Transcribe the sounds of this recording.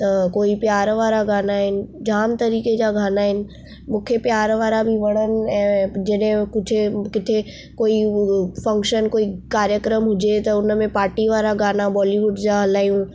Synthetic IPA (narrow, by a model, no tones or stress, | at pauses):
t̪ɐkoːipjaːɾʋaːɾaɡaːnaɦɪnɪ̆d͡ʑaːmt̪ɐɾiːked͡ʑaɡʱaːnaːɦɪnɪ̆ | mũːkʰepjaːɾʋaːɾabʱiʋɐɽ̃ənɪ̆ɛ̃ːd͡ʑɐɗɦɪ̃kʊd͡ʑʱʰekɪt̪ʰe | koːifɐ̃ŋkʃənkoːikaːɾjəkɾəmɦʊd͡ʑet̪ɐʊnmẽpaːɾʈiʋaːɾaɡaːnabɔːliʋʊɖd͡ʑaɦɐlaːjũ